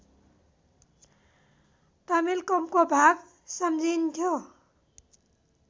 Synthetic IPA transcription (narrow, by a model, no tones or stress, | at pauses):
t̪amilkɔmkobʱak̚ | sʌmd͡zint̪ʰjo